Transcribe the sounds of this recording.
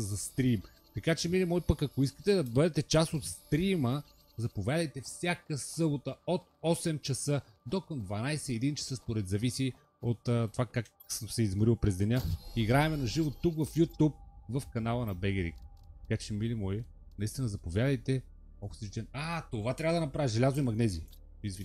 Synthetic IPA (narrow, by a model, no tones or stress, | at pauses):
zɐst̪ɾim | t̪ɐkat͡ʃɛmilimɔipəkɐkoiskə̥t̪ɛd̪ɐbɤd̪ɛt̪ɛt͡ʃasot̪st̪ɾimə | zɐpovʲjad̪əjt̪ɛfsʲjakəsɤbot̪əot̪̚ɔsɛmt͡ʃɐsɤ | d̪okəmd̪vɐnajsɛiɛd̪int͡ʃɐ̥səspoɾɛd̪zɐvisi | ot̪ːt̪ːovakak | səmsɛizmɾilˠpɾɛzd̪ɛnʲaiɡɾaɛmɛnɐʒivot̪ːukvɐfjut̪up̚vəfkɐnalˠənɐbɛɡɛɾḭk | t̪ɐkat͡ʃɛmilimɔj | nɐist̪inəzɐpovʲjad̪əjt̪ɛ | oksit͡ʃt͡ʃ̪ɛnat̪ovat̪ɾʲavəd̪ɐnɐpɾaviʒɛlʲazoimɐɡnɛzi | izvi